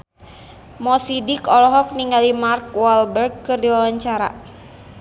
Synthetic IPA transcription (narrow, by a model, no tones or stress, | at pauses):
mɔsidikɔlɔɦɔk̚niŋɡalimarkwalbɛrɡ̚kɨrdiwawaɲt͡ʃaɾa̰